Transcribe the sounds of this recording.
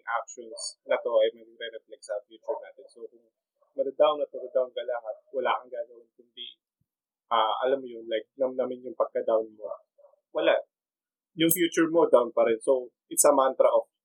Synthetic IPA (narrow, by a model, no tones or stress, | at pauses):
ŋʔa̰k̚ʃonsnɐt̪o̞ʔɐjmɐɾɛɾɛflɛksɐfjut͡ʃʊɹnaːt̪ɪnsokʊŋ | mɐd̪ɐd̪awnːɐt̪oɡɐd̪awnkɐlɐɦat̪̚wɐlaːkɐŋɡaːlɐwɐŋk̪ʊmbiʔ | ʔaːʔɐ̰lamːojonlajk̚lamnamɪnjʊŋpɐɡ̚kɐd̪awnmoɐ̰ | wɐla | jʊŋfjuːt͡ʃʊɹmo̞d̪awnpɐɾɛnso̞wʔɪt̪sɐmant̪ɾɐʔof